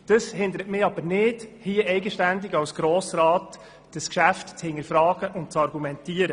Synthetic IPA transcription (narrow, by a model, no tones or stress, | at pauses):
d̥əshɪnd̪əɾətmɪɑb̥ənɪdhiːəɛɪɡəʃtændɪɡɑwsɡ̥ɾoːsɾɑːt | d̥əskʃæftt͡shɪnəɾfɾɑːɡ̥əʔʊnt̚t͡sɑɾɡumɛntiːəɾə